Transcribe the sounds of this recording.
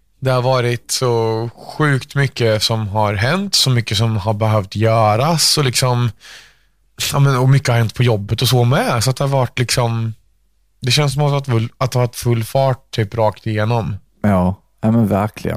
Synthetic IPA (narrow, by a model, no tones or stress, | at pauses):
d̪ɛhaɾvɑːɾɪt̪sɔɧʉ̟ːkt̪mʏkːəsɔmɦaɾɦɛnt̪sɔmʏkːəsɔmhaɾbɛɦœft̪jœːɾasɔlɪksɔm | ɑːmənɔmʏkːəhaɾɦɛnt̪̚pʰɔjɔbːət̪ɔsɔːmɛsɔat̪̚d̪ɛhaɾvaʈːlɪksɔm | d̪ɛɕɛnsɔmat̪at̪fɵlat̪d̪ɛhavaʈtːfɵlːfɑːʈ̚t̪ʰːyːpɾɑːkt̪ɪjeːnɔm | jɑː | nɛmənvæɾkʰlɪ̰ɡə̰n